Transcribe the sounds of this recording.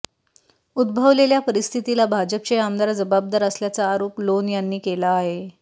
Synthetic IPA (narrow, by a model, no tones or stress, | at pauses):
ud̪̚bʱəʋleljapəɾist̪ʰit̪ilabʱad͡ʑəp̚t͡ɕeamd̪aɾd͡zəbab̚d̪aɾəsljat͡saːɾoːplonjanːiːkelaːɦe